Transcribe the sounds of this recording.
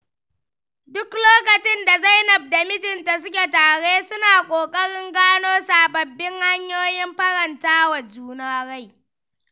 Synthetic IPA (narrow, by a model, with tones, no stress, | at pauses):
dʊ˦kloː˦kɐ˨t͡ʃɪ˦nda˨za˦jnɐ˨b̚da˨mɪ˦tɪ˨nta˨s̬ʊ˦kʲe˨taː˨ɽeː˦sʊ˦naː˨kʷʼoː˨kʼɐ˦ɽɪ˦ŋɡaː˦noː˦saː˨bɐ˨bːɪ˦ŋha˦ɲjoː˦jɪ˦mɸɐ˦ɽɐ˨ntaː˦wa˨d͡ʒuː˦naː˦ɽa˦j